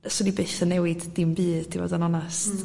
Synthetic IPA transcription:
sɔdibeɨθənɛwɪdːɪmbɨːd̥divɔ̰danɔnast

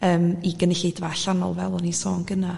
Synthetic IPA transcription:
əːmiɡənɪɬidvaɬanɔ̰lˠvɛ̰lˠɔnisɔːnɡəna

